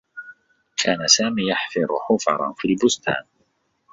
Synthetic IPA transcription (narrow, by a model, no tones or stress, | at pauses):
kʰaːnasaːmiːjaħfɪɾˤʊħʊfɑ̰ɾˤɑ̰fiːlbʊst̪a̰ːn